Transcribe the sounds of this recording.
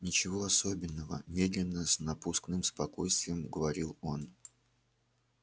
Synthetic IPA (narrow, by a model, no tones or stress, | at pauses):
nʲɪt͡ɕɪvo̞ɐso̞bʲɪnːəvə̰mʲe̞d̪lʲɪnːəsnɐpusknɨmspɐko̞jst̪vʲɪjəmɡəvɐɾʲilˠo̞n